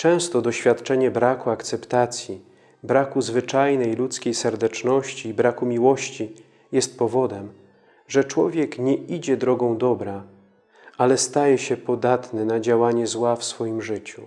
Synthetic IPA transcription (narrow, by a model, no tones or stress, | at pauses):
t͡ʂɛ̃w̃st̪ɔd̪ɔɕfʲjat̪t͡ʂɛɲɛbɾakuakt̪sɛpt̪at̪sʲji | bɾakuzvɘt͡ʂajnɛjlut̪skʲejsɛɾd̪ɛt͡ʂnɔɕt͡ɕiːbɾakumʲiwɔɕt͡ɕi | jɛst̪pɔvɔd̪ɛm | ʐɛt͡ʂwɔvʲjɛkɲɛid͡ʑɛd̪ɾɔɡɔ̃w̃d̪ɔbɾa | ʔalɛst̪ajɛɕɛpɔd̪at̪nɛnad͡ʑawaɲɛzwafsfɔjimʐɘt͡ɕu